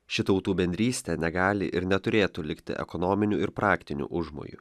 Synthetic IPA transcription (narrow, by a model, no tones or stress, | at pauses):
ʃʲɪt̪ɐʊt̪uːbʲɛnʲd̪ʲɾʲiːsʲt̪ʲɛnʲɛɡɑːlʲɪ̰ʔɪɾnʲɛt̪ʊɾʲeːt̪uːlʲɪkt̪ʲɪ̰ʔɛ̰kɔnɔmʲɪnʲuɪɾpɾɑːkt̪ʲɪnʲṵːʔʊʒmo̰ːjṵ